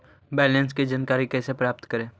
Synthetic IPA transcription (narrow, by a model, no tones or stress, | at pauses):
bɛːlɛ̃nskid͡ʒənkaːɾikɛːsepɾaːp̚t̪kəɾẽː